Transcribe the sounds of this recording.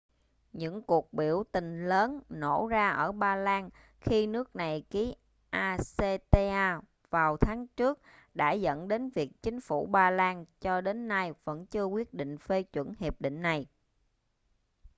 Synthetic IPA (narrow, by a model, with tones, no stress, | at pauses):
ɲɨ̰˧˥ŋku˨˩ək̚ɓi˧˩əwt̪ï˨˩ŋ̟ləː˨˦nno˧˩zaː˧ʔəː˧˩ɓaː˧laː˧n | xi˧nɨ˦˥ək̚na˨˩jki˨˦ | ʔaː˧se˧t̪e˧ʔaː˧ | vaː˨˩wt̪ʰaː˨˦ŋt͡ɕɨ˦˥ək̚ɗa̰ː˧˥zə̰˧˥nɗe˨˦nvi˨˩ək̚t͡ɕï˨˦ŋ̟fu˧˩ɓaː˧laː˧nt͡ɕɔ˧ɗe˨˦nːa˧jvə̰˧˥nt͡ɕɨ˧əkwi˦˥ət̚ɗḭ̈˧˨ŋ̟fe˧t͡ɕwə˧˩nhi˨˩əp̚ɗḭ˧˨ŋ̟na˨˩j